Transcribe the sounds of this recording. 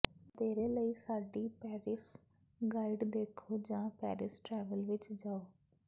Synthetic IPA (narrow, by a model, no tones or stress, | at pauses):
d̪eːɾeːləiːsaːɖiːpɛːɾɪs | ɡaːɪɖd̪eːkʰoːd͡ʒãːpɛ̰ːɾɪsʈɾɛːʋəlʋɪt͡ʃd͡ʒaːoː